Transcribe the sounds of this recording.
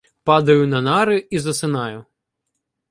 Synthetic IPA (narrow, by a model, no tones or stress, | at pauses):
pad̪ɐjʊnɐnaɾɪizɐsɪnajʊ